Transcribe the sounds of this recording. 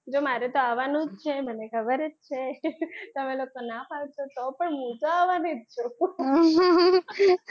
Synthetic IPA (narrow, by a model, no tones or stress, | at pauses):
d͡ʒomaɾɛt̪oaʋanũd͡ʒt͡ʃʰemənekʰəbəɾəd͡ʒt͡ʃʰet̪əmelokonapʰalt͡ʃʰot̪opəɳɦũt̪oaʋaned͡ʒt͡ʃʰo